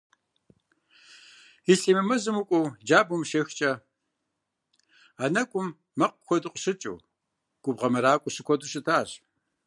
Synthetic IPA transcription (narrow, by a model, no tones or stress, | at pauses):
iɬeːmɐmɐzɨmukʷʼʊwd͡ʒaːbumʃext͡ʃʼɐ | aːnɐkʷʼʊmː | ɐqkʷɔdɨqʷɕɨt͡ʃʼṵw | ɡ̥ʷʼʊbʁɐmɐɾaːkʷʼʊɕɨkʷʰɔduɕɨtʰaːɕ